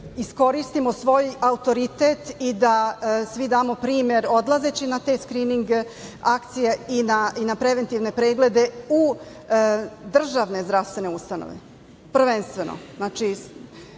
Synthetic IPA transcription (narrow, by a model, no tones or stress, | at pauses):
isko̞ɾist̪imosʋo̞ːjaut̪o̞ɾit̪et̪id̪asʋid̪aːmo̞pɾiːmje̞ɾo̞d̪lˠaze̞t͡ɕinat̪eskɾiːniŋɡakt̪sijeinainapɾe̞ʋe̞nt̪iʋne̞pɾeːɡle̞d̪e̞u | d̪r̩ʒaʋne̞zd̪ɾaʋst̪ʋe̞ne̞ust̪ano̰ʋḛ | pr̩ʋenst̪ʋe̞no̰znaːt͡ʃi